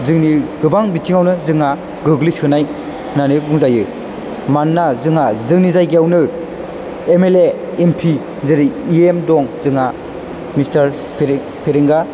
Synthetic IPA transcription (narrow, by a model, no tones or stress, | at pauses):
zɯŋniɡɯbaŋbitʰiŋawnɯzɯŋa | ɡɯɡlishɯnaj | hɯnanɯbɯŋzajɯ | manːazɯŋazɯŋnizajɡijawnɯ | emeleː | mpʰi | zɯɾiiemdɔŋzɯŋa | mistaɾ | pʰ | pʰeɾeŋɡa